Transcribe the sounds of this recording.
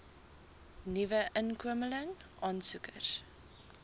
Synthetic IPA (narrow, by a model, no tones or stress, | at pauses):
nivəʔənkuəmələŋʔɑːnsukər